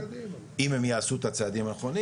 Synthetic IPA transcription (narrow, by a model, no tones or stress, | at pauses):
imhemjaasut̪at͡sead̪imanaχo̞ni